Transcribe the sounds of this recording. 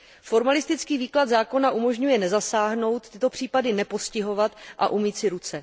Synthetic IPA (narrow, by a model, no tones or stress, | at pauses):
fo̞ɾmalɪst̪ɪt͡skiːviːklad̪zaːko̞naʔumo̞ʒɲujɛnɛzasaːɦno̞wt̪ːɪt̪o̞pr̝̥iːpadɪnɛpo̞scɪɦo̞vat̪ʔa̰ʔumiːt̪sɪɾut͡sɛ